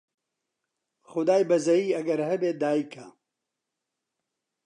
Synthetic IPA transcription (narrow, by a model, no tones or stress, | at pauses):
xʊd̪aːjbɐzɐjiːɐɡɐɾhɐbeːd̪aːikʰɐ